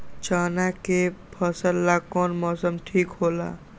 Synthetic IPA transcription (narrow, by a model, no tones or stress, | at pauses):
t͡ʃaːnakepʰəsəlːakɔːnmɔːsəmʈʰiːkɦoːla̰ː